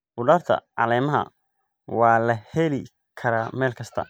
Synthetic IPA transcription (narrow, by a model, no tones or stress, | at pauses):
bʊɖɐːrt̪ʰɐ̰ʕɑ̰lɛːmɐɦɐ̰ | wɑːlɐhɛlɪ | kʰɐɾaːmɛːlkʰɐst̪ʰɐ̰